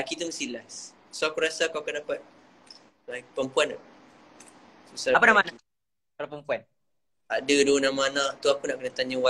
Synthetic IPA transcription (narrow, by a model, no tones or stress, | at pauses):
akit̪əməsilas | suakuɾasakaakandapat̪̚ | lapəmpuan | susaapanamana | kalapəmpuan | adədonãmanãt̪uakunaʔkənat̪aɲawa